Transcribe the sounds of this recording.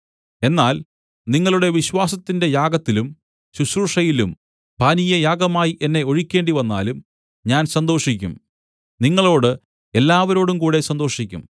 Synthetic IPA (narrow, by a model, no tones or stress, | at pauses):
e̞nːaːl | niŋːɐɭuɽe̞ʋiɕwaːsɐt̪ːinde̞jaːɡɐt̪ːilum | ɕuɕɾuʂɐjilum | paːnijɐjaːɡɐmaːjiʔe̞nːe̞o̞ɻikʲːe̞ːɳɖiʋɐnːa̰ːlum | ɲaːnsɐnd̪o̞ːʂikʲːṵm | niŋːɐɭo̞ːɽɨ | e̞lːaːʋɐɾo̞ːɽumkuːɽe̞sɐnd̪oːʂikʲːṵm